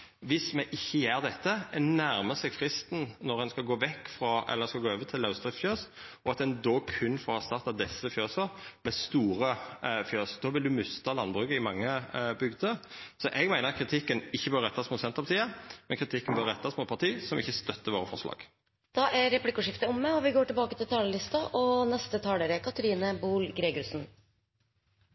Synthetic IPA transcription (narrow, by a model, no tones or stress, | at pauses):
ʋɪsmɛʔɪçːəjæːʁd̪ɛt̪ːəɛnæɾməsɛɡfɾɪst̪n̩nɔɾɛnskɑlɡoːʋɛkːfɾɑʔɛ̰lːəskɑɡoːøːʋət̪ʰɪlːɑʉsd̪ʁɪffjøːs | ʔɔɑt̪d̪ɛnd̪oːkʰʉnːfɔhɑst̪ɑʁt̪ɑd̪ɛsːəfjøːsəɾmɛst̪uːɾəfjøːsd̪ɔʋɪld̪ʉmʉst̪ɑlɑnbʁʉkəɪmɑŋːəbʏɡd̪əɾsɔʔɛɡmæɪnəʁɑt̪kʰɾɪt̪ʰɪkːənɪçːəbøːɾəɾɛt̪ːɑsmɔt̪sɛnt̪ʁəpɑt̪iːɑmɛnkʰɾɪt̪ʰɪkːənbœːɾʁɛt̪ːɑsmɔt̪pʰɑʁt̪ʰiːsɔmɪçːəst̪œt̪ːəʋoːɾəfɔʁʂlɑ̰ːɡ̥ | d̪̥ɑːʔæɾɛplɪkʊʂɪft̪əɔmːəɔʋɪɡoːʈɪlbɑːkət̪ɪlt̪ʰɑːləlɪst̪ɑʔɔnɛst̪ət̪ʰɑːləɾəkʰɑt̪əɾiːnəbuːlɡɾeːɡʊɾsn̩